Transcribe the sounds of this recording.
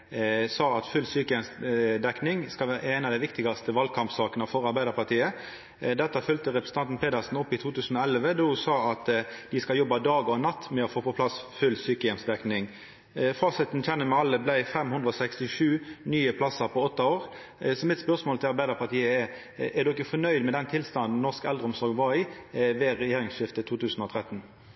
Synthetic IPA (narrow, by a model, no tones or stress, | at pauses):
sɑːɑt̪fʉlsyːkəjɛmsd̪ɛknɪŋskɑlʋæːɾəʔɛɪnɑʋd̪æɪʋɪkt̪ɪɡɑst̪əʋɑlkʰɑmpsɑːkənəfɔɾɑɾbæɪd̪əɾpɑʁt̪iːə | d̪ɛt̪ːɑfʉlt̪əʁɛpɾəsən̩t̪ɑnt̪n̩pʰeːd̪ɑsn̩ɔpːɪt̪ʰuːt̪ʰʉːsən̩oːɛlʋəd̪ɔsɑːɑt̪d̪ɪskɑljɔbːɑd̪ɑːɡɔnɑt̪ːmɛɔfoːpɔpʰlɑsfʉlːsyːkəjɛmsd̪ɛknɪŋ | fɑːsɪt̪nc͡çʰɛnːəmɛɑlːəblæɪfɛmhʉnd̪ʁəɔsɛkst̪ɪʂʉːnyːəpʰlɑsəpʰɔɔt̪ːɑoːʁ | sɔmɪt̪spœʁsmoːlt̪ʰɪlɑɾbæɪd̪əʁpɑʁt̪iːəɛɾ | æʁd̪ʊɪkːəfɔnœʏd̪mɛd̪ɛnt̪ʰɪlst̪ɑnd̪n̩nɔʁskɛld̪ʁəɔmsɔɾɡʋɑɪʋɛʁɛjeːʁɪŋsʃɪft̪ət̪ʰuːt̪ʰʉːsn̩ɔt̪ʰʁɛt̪n̩